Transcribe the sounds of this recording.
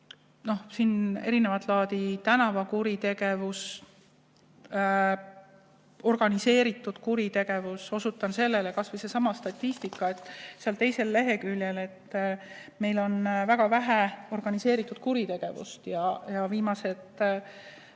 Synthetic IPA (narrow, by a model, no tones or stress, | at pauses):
no̞hsine̞ɾine̞vɑt̪ːˑlɑːd̪̥it̪ænɑvɑkuɾit̪e̞ɡ̥e̞vus | o̞rɡ̥ɑnise̞ːɾit̪ːˑud̪̥kuɾit̪e̞ɡ̥e̞vuso̞sut̪ːˑɑnse̞lːe̞le̞kɑsvejsesɑmɑst̪ɑt̪ʲˑːist̪ikːˑɑet̪ːˑseɑlt̪e̞jse̞lːe̞ɦe̞kylʲje̞le̞t̪ː | me̞jlo̞nvæɡ̥ɑvæɦeo̞rɡ̥ɑnise̞ːɾit̪ːˑud̪̥̚kuɾit̪e̞ɡ̥e̞vṵst̪jɑjɑviːmɑse̞t̪ˑ